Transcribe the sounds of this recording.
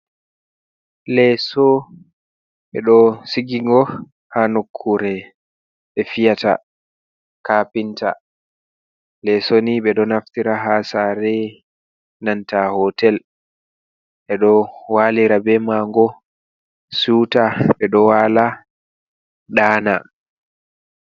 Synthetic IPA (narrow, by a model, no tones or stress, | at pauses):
lɛsɔ | ɓɛɗɔsiɡiŋɡɔ | hanokʰːuɾɛ | ɓɛfijata̰ | kaːpinta̰ | lɛsoniɓɛɗɔnaftiɾaɦasaɾɛ | nantahɔtɛl | ʔɛɗɔwaliɾabɛmaŋɡɔ | suːtaɓɛɗɔwala | ɗaːna